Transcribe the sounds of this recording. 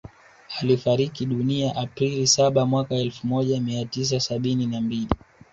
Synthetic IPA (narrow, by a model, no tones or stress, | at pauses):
alifaɾikiɗuniaʔapɾilisaɓamwakaɛlfumɔʄamiatis̬asaɓininambili